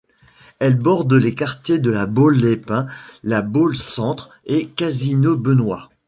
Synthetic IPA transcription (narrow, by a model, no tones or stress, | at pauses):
ɛlbɔʁd̪lekaʁt̪jed̪əlabolːepɛ̃labolsɑ̃t̪χ | ekazinobənwa